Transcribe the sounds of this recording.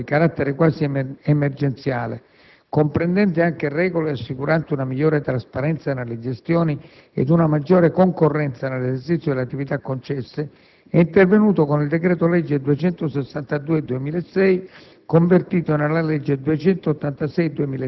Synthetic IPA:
ikaɾat̪ːeɾekwaːsiemerd͡ʒent̪sjaːlḛ | kompɾend̪ɛnt̪̬ɪaŋk̟erɛːɡoleasːikuɾant̪ɪunamiʎːɔːɾet̪ɾaspaɾɛnt̪sanelːed͡ʒest̪jɔːni | ḛd̪unamad͡ʒːoːɾekoŋkorːɛnt̪sanelesert͡ʃit̪sjod̪elat̪ːivit̪akːont͡ʃɛsːe | ɛint̪ervenuːt̪okonild̪ekɾɛːt̪olɛd͡ʒːed̪uet͡ʃɛnt̪osesːant̪ad̪uːed̪uemiːleesːɛj | koɱvert̪iːt̪onelːalɛd͡ʒːed̪uet͡ʃɛnt̪oːt̪ːant̪asɛjd̪uemiːl

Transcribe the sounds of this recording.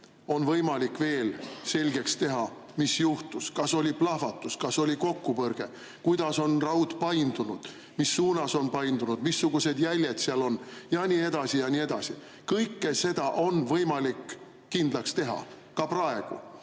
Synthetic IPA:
o̞nvɤjmɑlikve̞ːlse̞lʲɡe̞kst̪e̞ɦɑmisjuht̪uskɑso̞lʲiplɑhfɑt̪ːˑuskɑso̞lʲiko̞kːupɤrɡ̥e̞̰ | kujd̪̥ɑso̞nrɑwt̪ˑpɑjnd̪̥unud̪̥ | misːuːnɑso̞npɑjnd̪unud̪̥misːuɡ̥use̞d̪jælʲjed̪̥seɑlo̞njɑniːe̞d̪̥ɑsijɑnʲie̞d̪̥ɑsi | kɤjkːe̞se̞d̪̥ɑʔo̞nvɤjmɑlikː | ind̪lɑkst̪e̞ɦɑ̰kɑprɑe̞ɡ̥ṵ

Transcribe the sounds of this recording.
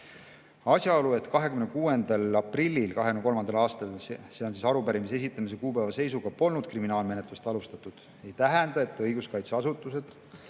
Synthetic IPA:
ɑsjɑo̞lue̞t̪kɑɦe̞kymnekuːe̞nd̪ɑlɑprilʲːilkɑɦeyneko̞lmɑnd̪ɑlɑːst̪ɑlseo̞nsiːsɑɾupæɾimisee̞s̬it̪ˑːɑmise̞kuːpævɑse̞js̬uɡɑpo̞lnud̪̚kriminɑːlme̞net̪lust̪ɑlust̪ɑt̪ːˑud̪̥ | e̞jt̪æɦɛnd̪̥ɑe̞t̪ːˑɤjɡ̥uskɑjt̪seɑsut̪ːˑuse̞d̪̥

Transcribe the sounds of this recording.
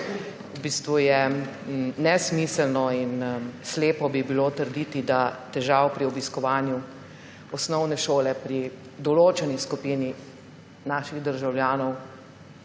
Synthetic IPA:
ubiːst̪ʋujɛ | nɛsmiːsəlnɔinsleːpɔbibiloːt̪əɾd̪it̪id̪at̪ɛʒawpɾiɔbiskɔʋaːnju | ɔsnɔwnɛʃoːlɛpɾi | d̪ɔloːt͡ʃɛniskupiːni | naːʃiɣd̪əɾʒawljaːnɔw

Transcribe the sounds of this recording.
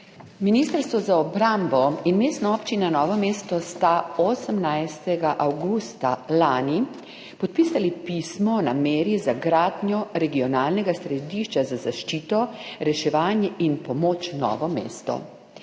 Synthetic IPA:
minist̪əɾst̪ʋɔzaɔbɾambɔinmeːst̪nɔɔːpt͡ʃinanɔːʋɔmeːst̪ɔst̪aoːsəmnajst̪ɛɡaʔawɡust̪alaːni | pɔt̪̚piːsalipiːsmɔnameːɾizaɡɾaːd̪njɔɾɛɡiɔnaːlnɛɡasɾɛd̪iːʃt͡ʃazazaʃt͡ʃiːt̪ɔɾɛʃɛʋaːnjɛʔinpɔmoːt͡ʃnɔ̰ːʋɔmḛːst̪ɔ̰

